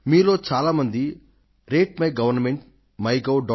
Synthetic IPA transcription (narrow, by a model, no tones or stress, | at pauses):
miːlo̞ːt͡ʃaːlaːmɐnd̪i | ɾeːʈ̚mɐjɡɐʋɐɾnɐmeɳʈ̚ | mɐjɡɐwɖɔ